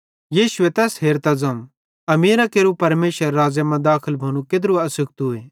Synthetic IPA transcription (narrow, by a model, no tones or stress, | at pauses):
jiːʃʊet̪ɛːsɦeːɾt̪ad͡zɐ̃ũ | ɐmeːɾakeːɾupɐɾmeːʃəɾːaːzjamãd̪aːkʰəlbʱɐñũked̪ɾuɐsʊkt̪ɦueː